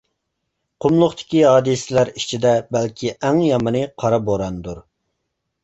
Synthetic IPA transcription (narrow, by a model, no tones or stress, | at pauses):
qʰʊmlˠʊχt̪ʰɪ̥kʲiɦɑːd̪ɨsɪlæɾit͡ʃʰid̪ɛbælkʲʰiʔæŋjɑmɨnɨqʰɑɾɑboɾɑnd̪uɾ